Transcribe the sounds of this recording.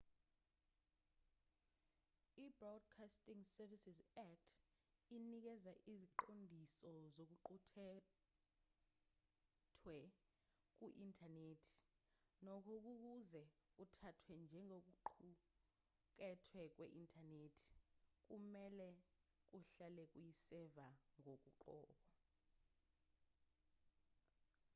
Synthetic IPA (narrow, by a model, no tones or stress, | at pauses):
ibrɔd̚kʰastʼiŋsɛvisizɛtʰ | inik̬ɛzaʔiziǃondʱisɔzok̬uǃʰutʰɛ | tʰwɛ | k̬ʼuʔintʰʼaneːtʰi̥nɔkʰɔk̬uk̬uzɛutʰatʰwɛnd͡ʒʱɛŋok̬uǃʰu | k̬ɛtʰwɛk̬wḛʔintʼʰaneːtʰi̥k̬ʼumɛlɛk̬uɬalɛk̬ujisɛvaŋok̬ʼuǃɔ̰ːɓɔ